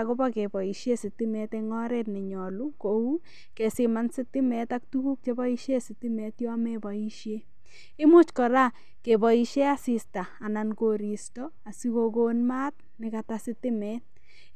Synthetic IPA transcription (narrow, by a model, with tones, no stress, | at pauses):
ako˦ba˦ke˨bɔ˨i˨ʃje˦sɪ˨tɪ˦mɛ˨teŋɔ˦ɾɛt̚nɛ˨ɲɔ˨lu˦kou˦ | ke˨sɪmansɪ˦tɪ˦mɛ˨tak̚tu˦ku˦k̚t͡ʃe˦bɔ˦i˦ʃje˦sɪ˨tɪ˦me˨tjɔ˦mebɔ˨i˦ʃje˦ | ɪ˦mu˦t͡ʃkɔ˨ɾa˦ | ke˨bɔ˨i˨ʃje˦a˦sista˨a˨na˨nko˨ɾi˨stɔ | a˨sikoko˦nma˦t̚ | nɪ˨katasɪtɪ˦mɛt̚